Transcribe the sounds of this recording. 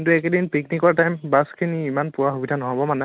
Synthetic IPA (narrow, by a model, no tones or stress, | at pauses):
kintuɛkɛdinpiknikɔɹtajmbaskʰiniimanpʊwaxubidʱanɔɦɔbɔmanɛ